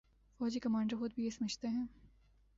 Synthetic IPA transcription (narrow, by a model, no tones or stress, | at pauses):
fɔːd͡ʒikɐmãːɳɖəɾxʊd̪̚bʱijesɐmət͡ʃʰt̪eɦɛ̃ː